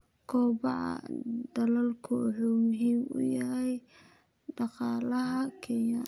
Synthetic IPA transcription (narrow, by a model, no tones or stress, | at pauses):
kʰɔːbɑʕɑ̰d̪ɐlɐlkʰʊʊħumʊɦiːmʊ̰jɐɦɛj | ɖɑqɑːlɐɦɐkʰɛja